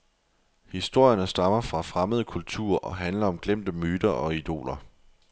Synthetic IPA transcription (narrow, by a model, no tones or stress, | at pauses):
hisd̥o̝ɐ̰jɐnəsd̥ɑ̈mɐfʁɑ̈fʁaməð̞ˠəkʰult͡sʰṵɐ̰ʔɒ̽ɦænlɐɒ̽mɡ̥lem̰d̥əmyːd̥ɐʔɒ̽id̥o̝̰ːlɐ